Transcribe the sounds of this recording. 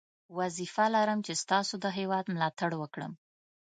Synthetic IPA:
wazifalaɾəmt͡ʃest̪ɑsod̪əɦewɑd̪mlɑt̪aɽwəkɽə̰m

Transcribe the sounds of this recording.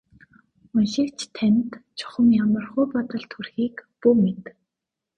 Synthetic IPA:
ʊnʃikt͡ɕʰt̪ʰːænʲt̪t͡ɕʰʊ̥χə̆mjamə̆rχʊːpɔt̪ɞ̆ɮt̪xurxiːkpuːmet̪

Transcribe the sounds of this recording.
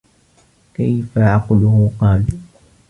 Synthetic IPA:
kajfaʔɑqlʊhʊqɑːl

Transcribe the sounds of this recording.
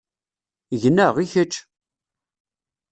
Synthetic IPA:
ʝənːəʁiçət͡ʃː

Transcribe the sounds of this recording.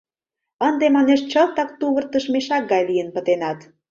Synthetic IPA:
ənd̪emɑneʃt͡ɕəlt̪ɑk̚t̪uβərt̪əʃmeʃɑk̚ɡɑjlijənpə̆t̪enɑt̪

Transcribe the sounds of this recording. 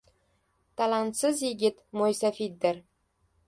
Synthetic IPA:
t̪ɑlˠɑnt̪sɨzjiɡʲɘt̪mojsɑfʲit̪̚d̪ɘ̆r

